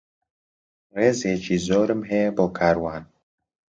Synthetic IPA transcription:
reːzeːt͡ʃiːzoːɾɨmɦeːboːkʰaːɾwaːn

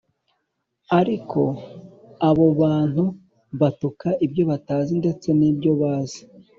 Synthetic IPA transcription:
aɾikʰo̞ | aβo̞βaːn̥hu | βatukaʔibjo̞βataːzinde̞t͡se̞nibjo̞βaːzi̥

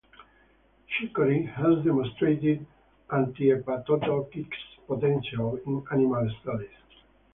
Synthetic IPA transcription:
ʃikəɾihæzd̪ɛmɔ̃nstɹet̪ɪd | ʔãnt̪ipat̪ɔd̪ɔkikspɔt̪ɛ̃nʃalĩnanimalst̪adiz̥

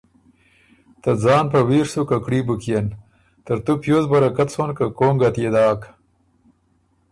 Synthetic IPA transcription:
t̪ad͡zɑːnpawiːɾsukakɽibukijen | t̪əɾt̪upjozbɐɾakat̪sonkakoːŋɡat̪jed̪ɑːk

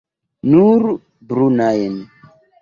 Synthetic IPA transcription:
nuɾ | bɾunajen

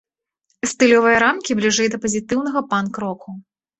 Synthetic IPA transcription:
st̪ɨlʲɔvɨjɐɾamkʲiblʲiʐɛjd̪ɐpɐzʲit̪ɨwn̪ɐɣɐpankɾɔkʰu

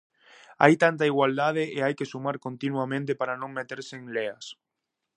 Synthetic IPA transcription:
a̰jt̪ant̪aiɣwald̪að̞eʔeajkesumaɾkont̪inwamẽnt̪̬epaɾanõŋmet̪eɾseːŋlea̰s

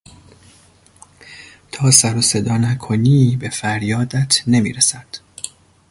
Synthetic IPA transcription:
t̪ʰɒːsæɾose̞d̪ɒːnækʰoniːbe̞fæɾjɒːd̪æt̪ʰne̞mḭːɾesæd̪̥

